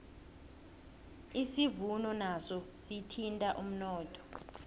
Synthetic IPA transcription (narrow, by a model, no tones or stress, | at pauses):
isivunɔnasɔsitʰintʼaʔum̩nɔːtʰʼɔ̥